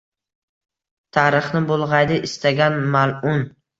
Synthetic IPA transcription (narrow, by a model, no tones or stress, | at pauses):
t̪ʰaɾɨχnɪbolˠʁɑjd̪ɪʔɪst̪ʰaɡʲanmalʊn